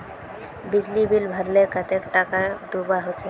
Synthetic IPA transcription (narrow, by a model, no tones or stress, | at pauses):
bid͡ʑlibilbʱəɾlekat̪ekʈakad̪ubaɦot͡ʃʰe